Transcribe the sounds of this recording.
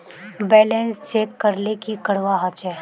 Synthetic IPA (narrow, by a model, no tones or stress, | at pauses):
bɛːlɛ̃nst͡ʃeːkːɐɾlekikɐɽʋaɦət͡ʃɛː